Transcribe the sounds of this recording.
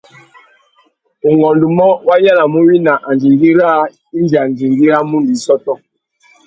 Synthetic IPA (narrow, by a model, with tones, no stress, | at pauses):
u˨ŋɡɔ˨ndu˨mɔ˦wa˦ja˦la˨mu˦wi˦na˨ʔa˨nd͡ʒi˨ŋɡi˦ɾa˦ | i˦nd͡ʒi˨a˨nd͡ʒi˨ŋɡi˦ɾa˦mu˦ndu˨i˦sɔ˦tɔ˦